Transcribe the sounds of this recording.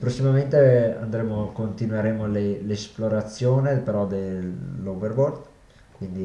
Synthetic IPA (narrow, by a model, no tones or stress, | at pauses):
pɾosːimament̪ea̰nd̪ɾeːmokont̪inweɾeːmolelesploɾat̪sːjoːnepeɾɔd̪elːoverbord̪ | kwind̪i